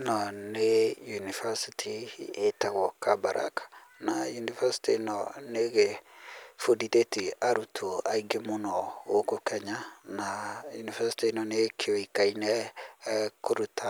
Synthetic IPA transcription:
nɔnejunifasitʰietɛɣɔkabaɾʔa̰kḁnajunivasi̥tinɔneɣe | foditetiaɾutʰoaiɡemonɔokokɛɲanajunivasi̥tinɔnekʰeoikainɛ | koɾutʰa

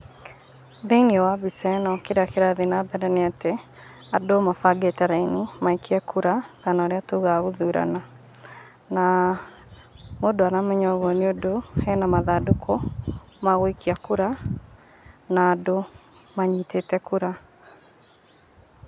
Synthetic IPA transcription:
ðeiniɔwaβisɛnɔkeɾakeɾaðenabɛɾɛneate | adomafaɡetɛɾainimaikʰiɛkʰuɾaɣanɔɾeatuɣaɣoðuːɾa̰na | na | modoaɾamɛɲɔɣɔneodoɛnamaðadukʰomaɣwikiakuɾa | naːdo | maɲiːtetɛkuɾa

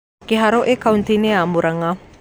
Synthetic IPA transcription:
keɦaɾoʔekaunt̪ineamuɾaŋa

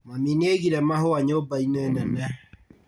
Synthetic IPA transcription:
mamineɣiɾɛmahoaɲobainɛnɛnɛ

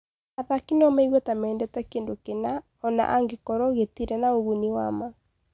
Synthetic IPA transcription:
aðakinɔmɛiɣwɔtamɛːndɛtɛkeːndokena | ɔna̰ʔaŋɡekɔɾɔɣetiɾɛnaoɣuniwama

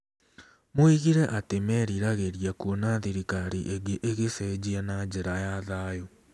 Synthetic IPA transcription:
moiɣiɾɛʔatemɛɾiɾaɣeɾjakuonaðiɾikaɾiʔeɡeʔeɣesɛd͡ʑianad͡ʑeɾajaðaːjo

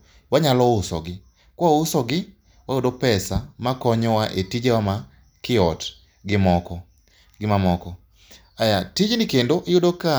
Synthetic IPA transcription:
waɲalɔʊsɔ̰ɡɪ | kwʊsɔɡɪ | wajʊdopɛsamakɔɲɔwaʔetid͡ʒewama | kɪɔt | ɡɪmɔkɔ | ɡɪmamɔkɔ | ajatid͡ʒnɪkendoʔɪjʊdoka

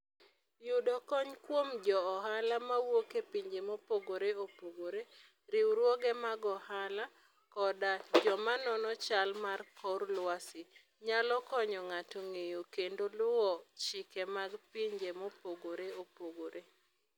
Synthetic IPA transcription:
judɔkɔɲkwomd͡ʒɔːɦalamawokepiɲd͡ʒemopoɡoɾeopoɡoɾe | ɾɪwɾwɔɡɛmaɡɔhala | kɔdad͡ʒɔmanɔnɔt͡ʃalmarkɔrlwasɪ | ɲalɔkɔɲɔŋatoŋejokendolʊwɔt͡ʃikemaɡpiɲd͡ʒemopoɡoɾeopoɡoɾe

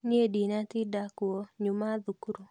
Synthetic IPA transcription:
ɲedinat̪ɪdakwoɲumaðukɾo

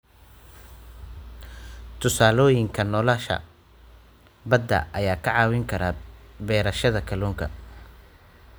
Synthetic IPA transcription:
t̪ʰʊsaːlɔːjɪŋkʰɐnɔːlaʃɐ̰ | bɐd̪ːɐ̰ʔɐjaːkʰɐʕɑːwɪŋkʰɐɾaːbɛːɾɐʃɐðɐkʰɐluːŋkʰɐ̰

